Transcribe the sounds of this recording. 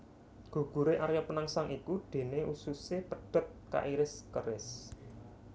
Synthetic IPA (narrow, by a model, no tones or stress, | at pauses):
ɡ̥ṳɡ̥ṳɾeʔaɾjapənaŋsaŋʔikud̪̥e̤neʔususepəɖ̥ə̤t̪̚ka̰ʔiɾɪskəɾɪs